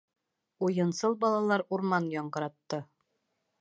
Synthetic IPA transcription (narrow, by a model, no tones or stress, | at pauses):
ujɤ̆nsɤlˠbɑlˠɑlˠɑɾuɾmɑnjɒɴɢɤ̆ɾɑt̪ːɤ